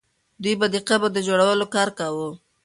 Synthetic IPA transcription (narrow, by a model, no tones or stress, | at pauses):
d̪ujbad̪iqabad̪əd͡ʒoɽawəlokɑɾkawu